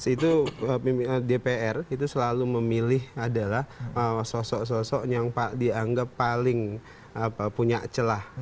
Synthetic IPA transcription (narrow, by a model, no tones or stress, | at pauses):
sit̪uəidepeɛrit̪usəlaluməmilɪhadalahəsɔsɔʔs̬ɔsɔʔjaŋpadiaŋɡapːalɪŋ | əəpuɲat͡ʃəlah